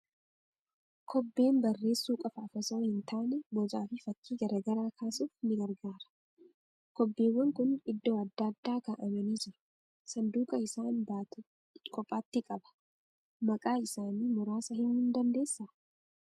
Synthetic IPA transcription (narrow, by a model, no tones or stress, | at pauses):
kʰɔbːe̞ːnbɐrːe̞ːsːuːkʼɐfɐːfɐsɐhɪnt̪ʰaːnɛbɔd͡ʒaːfɪfɐkːiːɡɐɾɐɡɐɾaːkʰaːsuːfnɪɡɐɾɡaːɾɐ̥ | kɔbːeːwːɐŋkʊnɪd̪ːoːɐd̪ːaːd̪ːaːkɐʔɐmɐniːd͡ʒɪɾɐ̥ | sɐnd̪uːkɐɪsaːnbaːt̪ | kʰʼɔpʼːaːt̪ːɪkʼɐbɐ̥ | mɐkʼaːɪsaːniːmʊɾaːsɐhɪnhʊnd̪ɐnd̪e̞ːsːa